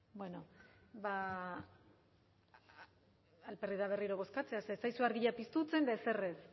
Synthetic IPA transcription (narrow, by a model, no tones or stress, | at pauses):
bwe̞no̞ba | lpe̞riðaβ̞e̞riɾo̞β̞o̞skat͡se̞asesajsuaɾɣiʎapist̪ut͡se̞nd̪aeseres